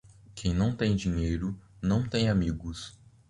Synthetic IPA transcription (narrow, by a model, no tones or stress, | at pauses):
kʰẽj̃nɐ̃w̃t̪ẽj̃d͡ʒĩɲejɾʊnɐ̃w̃t̪ẽj̃amiɡʊs